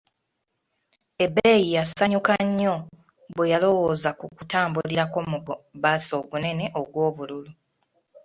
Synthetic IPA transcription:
e̞bːejijasaɲukaɲːo̞ | βwejalo̞wo̞ːzakukutaːmbuliɾako̞muɡobaso̞ːɡune̞ne̞ʔo̞ɡwo̞ːβululu

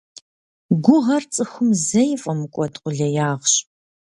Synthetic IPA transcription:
ɡʷʊʁɐrt͡sʼɨxʷʊmzɐjfʼɐmɨkʷʼɔtqʷʊɮɐjaːʁɕ

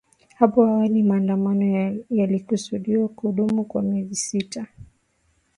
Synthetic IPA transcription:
hapɔhawalimaːndamanɔjalikusuɗiwakuɗumukwamiɛzisita

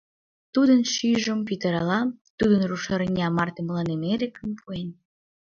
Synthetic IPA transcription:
t̪ud̪ənʃyʒəmpit̪əɾɑlɑt̪ud̪ənruʃəɾnʲɑmɑrt̪eməlɑnemeɾekəmpʰuen

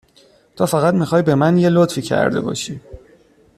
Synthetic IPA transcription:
t̪ʰɒːfæɣæt̪mixɒːjbe̞mænje̞lot̪fiːcʰæ̰ɾd̪e̞̰bɒ̰ːʃiː

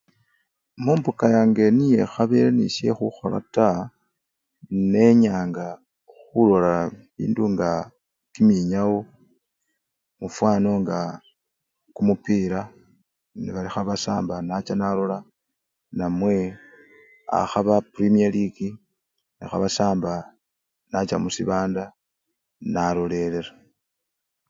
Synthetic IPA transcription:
muːmpukajaːŋɡe̞nije̞xaβeɾenisje̞̰xuxo̞̰la̰ta | ne̞ɲaːŋɡa | xulo̞laβḭːnduŋɡa | kimiɲawo | mufwaːno̞ŋɡa | kumupiːɾa | niβalixaβasaːmbanat͡ʃanalo̞la | namwe̞ | a̰xaβapɾimialiki | nixa̰βasaːmba | nat͡ʃa̰musiβaːnda | nalo̞le̞le̞ɾa

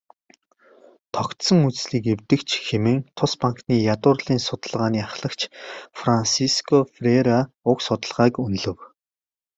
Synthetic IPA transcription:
t̪ʰɔkt̪sɞ̆ŋut͡ssɮiːkewt̪ɘ̆kt͡ɕʰxemɘ̆ŋt̪ʰʊspaŋkniːjat̪ʊːrɮiːnsʊt̪ə̆ɮʁaːniːaχɮə̆kt͡ɕfransiskʰɔfreɾa | ʊksʊt̪ə̆ɮʁaːkunɮɵ̆w

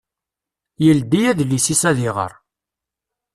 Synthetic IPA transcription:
jəld̪ijæðlːisisæðɪʁə̰ɾˤ

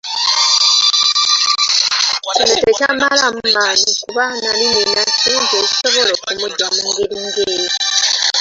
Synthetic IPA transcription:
enutecamalamumaːnukuβanalininainzeci̥soβolokumuɟamuŋɡeɾiŋɡeɾi

